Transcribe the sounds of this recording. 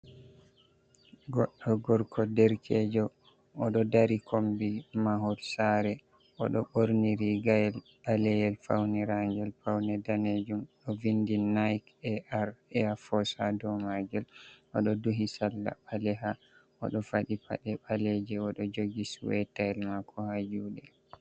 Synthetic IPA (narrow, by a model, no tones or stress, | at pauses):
ɡɔɗːɔɡɔɾkʰɔdɛɾkʰɛd͡ʒɔ | ʔɔɗɔdaɾikʰombimaɦɔɾsaɾɛ | ʔɔ̰ɗɔɓoɾniɾiɡajɛl | alɛjɛlfa̰wnɛɾaŋɡɛlfawnɛdaned͡ʒumɗɔvindinajkɛʔaɾɛafɔsadɔmaɡɛlʔɔ̰ɗɔduɦisalːa̰balɛɦa | ɔ̰ɗɔfaɗipa̰ɗɛɓalɛd͡ʒɛɔɗɔd͡ʒoɡisuwɛtaɛlmakʰɔhad͡ʒuɗɛ